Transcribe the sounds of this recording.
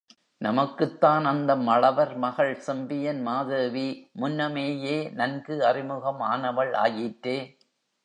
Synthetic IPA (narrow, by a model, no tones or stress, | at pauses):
nɐmɐkːɯt̪ːaːnɐnd̪ɐmɐɭɐʋɐɾmɐɣɐɭsɛmbɪjɐnmaːðɯːʋimʊnːɐmeːjeːnɐnɡɯɐrɪmɯɣɐmaːnɐʋɐɭa̰ːjɪʈɾeː